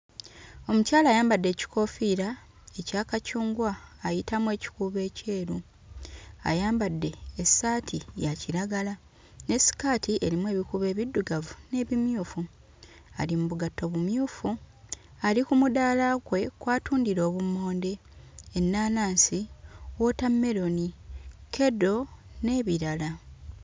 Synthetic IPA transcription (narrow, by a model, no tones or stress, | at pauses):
o̞mucaːlaːjaːmbadːe̞ːci̥ko̞fiɾa | e̞caːkacuːŋɡwaːjitamwe̞ːci̥kuːβe̞ːce̞ːɾu | a̰jaːmbadːe̞ːsatʰijaciɾaɡala | ne̞si̥kaːtʰiʔe̞ɾimwe̞ːβikuβe̞ːβidːuɡavune̞ːβimjuːfu | a̰limuβuɡatːo̞βumjuːfu | alikumudaːlaɡwe̞kwaːtuːndiɾo̞ːβumo̞ːnde̞ː | nːaːnaːnsiwotamːe̞ɾo̞nikʰe̞do̞ | ne̞ːβiɾala